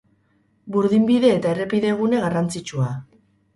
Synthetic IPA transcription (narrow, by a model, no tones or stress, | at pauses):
buɾðimbiðe̞ːt̪aere̞piðe̞ɣ̞une̞ɣarant͡sit͡ʃua